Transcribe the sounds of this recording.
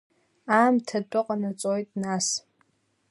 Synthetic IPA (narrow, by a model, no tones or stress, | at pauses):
aːmtʰat͡pʷʼʊqʼanat͡sʷʼojtʼnas